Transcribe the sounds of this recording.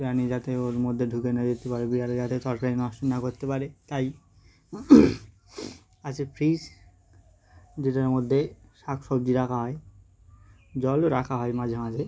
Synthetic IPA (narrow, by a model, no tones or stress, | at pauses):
biɾanid͡ʑat̪eoɾmod̪ʱːeɖʱukenad͡ʑet̪ːepaɾebiɾaɾid͡ʑat̪et̪ɔɾkaɾinɔʃtonːakoɾt̪epaɾet̪aj | at͡ɕʰkepɾis | d͡ʑeʈaɾmod̪ʱːeʃakʰʃobd͡ʑiɾakʰaɦɔe | d͡ʑɔloɾakʰaɦɔemad͡ʑʱemad͡ʑʱe